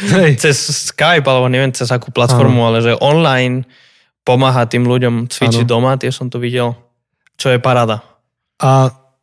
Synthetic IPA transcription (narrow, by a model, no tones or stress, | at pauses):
t͡sɛsːkajpalɛbɔɲɛʋɛnt͡sɛzakuːplat̪fɔɾmualɛʒɛʔɔnlajn | pɔmaːɦat̪iːmluɟɔmt͡sʋit͡ʃid̪ɔmat̪ɪɛsɔmt̪ɔʋiɟɛl | t͡ʃɔjɛpaɾaːd̪a | ʔa